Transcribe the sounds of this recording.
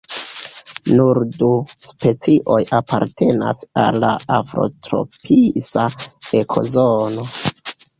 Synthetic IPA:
nuɾduspe̞t͡siʔo̞japaɾtʰe̞na̰salːaafɾo̞̰tɾo̞̰pʰisaekʰo̞̰zono̞

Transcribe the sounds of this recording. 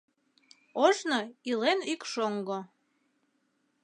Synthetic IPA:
oʒnoilenykʃoŋɡo

